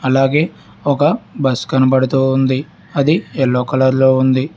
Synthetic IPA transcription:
ɐlaːɡe̞ː | ɔkɐbɐskɐnɐpɐɽut̪uːnd̪i | ɐd̪iɛlːoːkɐlɐɾlo̞ːund̪i

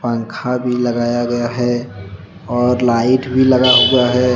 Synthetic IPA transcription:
pãŋkʰabʱiləɡaːjaɡɐjaɦɛ | ɔːɾlaːɪʈbʱilɐɡaɦoɡɐjaɦɛ

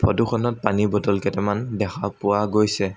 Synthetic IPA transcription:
bʰɔduxʰɔnɔt̚panibɔdɔlkɛtɛmandɛxʰapʊwaɡojsɛ

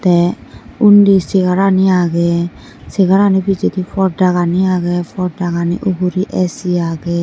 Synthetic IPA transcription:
t̪ɛundisiɡaɾaniaɡɛ | siɡaɾanibid͡ʒet̪ifʰɔɾdaɣaniaɡɛpʰɔɾdaɡaniʔubuɾiʔɛsiaɡɛ

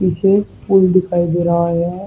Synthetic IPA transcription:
piːt͡ʃʰefuːlɖɪkʰaːid̪eːɾaɦaɦɛ̃

